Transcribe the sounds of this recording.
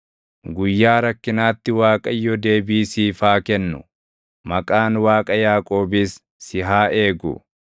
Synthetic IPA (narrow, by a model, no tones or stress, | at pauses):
ɡʊjːaːɾɐkːɪnaːt̪ːɪwaːkʼɐjːɔd̪e̞ːbiːsiːfaːkɛnːʊ | mɐkʼaːnwaːkʼɐjaːkʼo̞ːbɪsː | ɪɦaːʔe̞ːɡʊ̰